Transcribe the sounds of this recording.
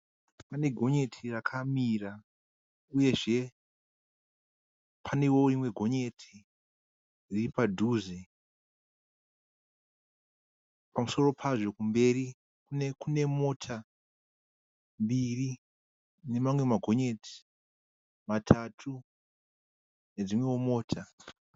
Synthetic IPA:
pane̞ɡʱo̞ɲe̞tʰirakʰamira | uje̞ʐe̞ | pʰane̞wo̞rimwe̞ɡʱo̞ɲe̞tʰi | riripadʱuːze | pamuso̞ro̞pʰaʐo̞kumbe̞ɾi | kunekune̞mo̞tʰa | mbiri | ne̞mamwe̞maɡʱo̞ɲe̞tʰi̥ | matʰatʰu | ne̞d͡zimwe̞womo̞ːtʰa

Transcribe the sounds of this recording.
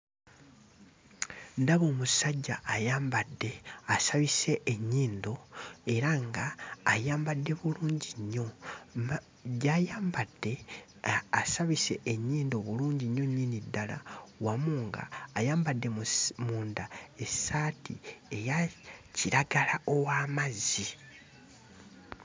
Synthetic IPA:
ndaβo̞ːmusaɟːaːjaːmbadːe̞asaβise̞ʔeɲːiːndo̞e̞ɾaŋɡaːjaːmbadːe̞βuluːɲɟiɲːo̞ | ɟajaːmbad̥ːe̞ | asaβise̞ʔːɲːiːndo̞βuluːɲɟiɲːoɲːinidːala̰wamuːŋɡa̰ːjaːmbadːe̞mmuːndae̞saːtḭe̞jaciɾaɡalao̞waːmazi

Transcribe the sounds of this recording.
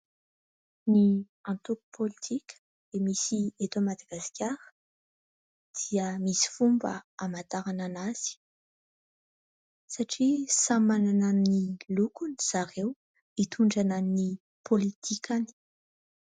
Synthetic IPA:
ni | ãnt̪uku̥pʰolit̪ʰikʲə̥ | d̪̥emisiet̪amad̪aɡ̥askʲaɾə̥ | d̪̥iəmisi̥fumbə̰amat̪aɾananaz̥i̥ | saʈ͡ʂisamananannilukuniz̥aɾew | it̪ʰuɳɖ͡ʐananni | pʰolit̪ʰikʲani̥

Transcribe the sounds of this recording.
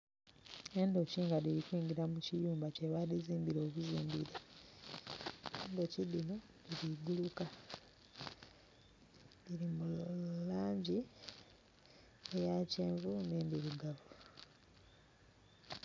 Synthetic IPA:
e̞ndo̞ciːŋɡadiɾikwiːŋɡiɾamucijuːmbaceβaðiziːmbiɾoːβuziːmbiɾe | endo̞cidino | diɾiɡuluka | diɾimulaːɲɟi | ejaceːɱvundeːndiɾuɡavu

